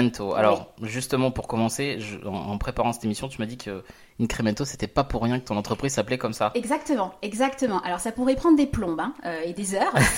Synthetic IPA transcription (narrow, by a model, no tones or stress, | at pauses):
ɛnt̪ʰoa̰lɔʁʒyst̪əmɑ̃puʁkɔmɑ̃seʒəɑ̰̃ɑ̰̃pχepaʁɑ̃sɛ̥t̪emisjɔ̃t̪ymad̪ikʰə | ynkχemɛ̃t̪ose̥t̪ɛpapuʁːjɛ̃kət̪ɔ̃nɑ̃t̪χəpχizsaplɛkɔmsaɛɡzakt̪əmɑ̃ɛɡzakt̪əmɑ̃ʔalɔʁsapuʁɛpχɑ̃d̪ʁd̪eplɔ̃bɛ̃øed̪ezœːʁ